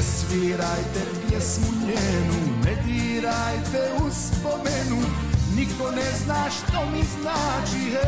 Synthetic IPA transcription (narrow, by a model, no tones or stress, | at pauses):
sʋiːɾajt̪ɛpɪjɛsmuɲɛnumɛd̪iːɾajt̪ɛuspɔmɛnu | ɲikt̪ɔnɛznaːʃt̪ɔmiznaːt͡ʃiɦɛ